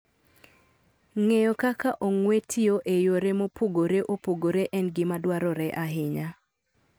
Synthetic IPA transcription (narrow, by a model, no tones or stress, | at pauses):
ŋejɔkakaʔoŋwetʰɪoʔejoɾemopoɡoɾeʔopoɡoɾeʔɛnɡɪmadwaɾɔɾɛʔaɦɪɲa